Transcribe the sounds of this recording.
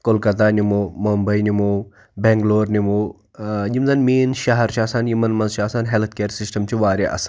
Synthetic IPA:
kolkɐt̪̬aːnimoːmombɐinimoː | bẽŋɡloːɾnimoː | jimzɐnmiːnʃɐɦɐɾt͡ʃʰɐsanjumɐnmɐnzt͡ʃʰaːsanɦelt̪ʰkeːɾsisʈɐmt͡ʃʰiʋaːɾeʔɐ̰san

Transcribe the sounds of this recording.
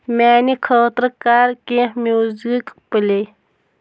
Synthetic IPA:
mæːnikʰəːt̪ɾəkaːɾkẽːhmʲuːzikpəlej

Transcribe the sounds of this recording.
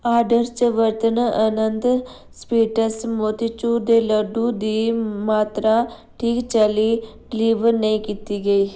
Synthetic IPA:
aːɾɖəɾt͡ʃəʋəɾt̪ənaʔənənd̪ | spiːʈəsmoːt̪it͡ʃuːd̪eːləɖũd̪iːmaːt̪ɾa | ʈʰiːkt͡ʃəli | ɖɪliːʋəɾnəĩːkiːt̪iːɡəiː

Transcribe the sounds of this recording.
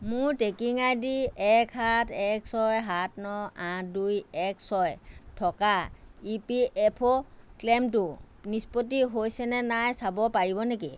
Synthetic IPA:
mʊɹtekiŋajdiɛkhatʰɛksɔjɦatʰnɔãdujɛksɔjtʰɔkaipiʔɛpʰɔklɛmtʊ | nispot̬iɦojsɛnɛnajsabɔpaɹibɔneki

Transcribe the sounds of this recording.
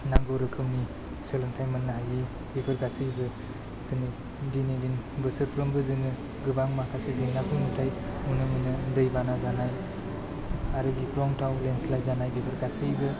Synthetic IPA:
naŋɡɔɾɯkʰɯmi | sɯlɯŋtʰajmɯnːaɦaji | bipʰɯɾkasɯjbɯ | tɯnɯ | dinidinbɯsɯɾpʰɾɯmbɯzɯnɯ | ɡɯbaŋmakʰaseziŋnakʰuŋɯtʰajunɯmɯnɯdɯjbanazanaj | aɾɯɡikʰɾɔŋtʰawlenslajzanajbipʰɯɾɡʰasɯjbɯ

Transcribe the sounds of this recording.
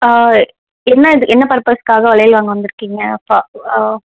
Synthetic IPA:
a | ɛnːɐɪðɯkːɛnːɐpɐɾpɐːskaːɣɐʋɐɭɐjɪlʋaːŋɡɐʋɐnd̪ɪɾɯkːiːŋɡɐɐpːaː

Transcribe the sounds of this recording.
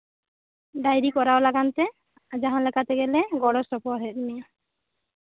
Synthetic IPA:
ɖajɾikɔɾaolaɡant̪e | ad͡ʒaɦãlɛkat̪eɡeleɡɔɽɔsɔpɔɾɦɛt̪mija

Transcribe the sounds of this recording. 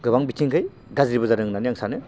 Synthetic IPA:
ɡɯbaŋbitʰiŋkʰɯj | ɡazɾibɐzaɾɯŋnaniaŋsanɯ

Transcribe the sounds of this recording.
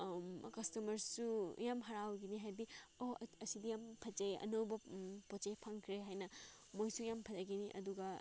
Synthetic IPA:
kɐstɐmɐɾsujamɦɐɾawɡiniɦajdiohɐsidijampʰɐd͡ʒajɐ̰nowbɐpot͡ʃajpʰaŋkʰɾeɦajnɐ | mojsujampʰɐzaɡiniʔɐ̰duɡɐ

